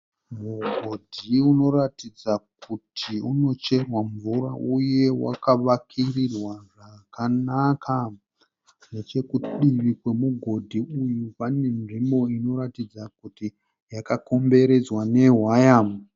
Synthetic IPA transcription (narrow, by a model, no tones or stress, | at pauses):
muɡʱo̞dʱiuno̞ratid͡zakʰutʰiuno̞t͡ʃe̞rwaɱvuɾaʔuje̞wa̰kaʋakʰirirwaʐakanakʰa | ne̞t͡ʃe̞kuɗiʋikwe̞muɡʱo̞dʱiujupane̞nʐimbo̞ino̞ɾatid͡zakuti | jakako̞mbe̞ɾe̞d͡zwane̞ɦwajaːmu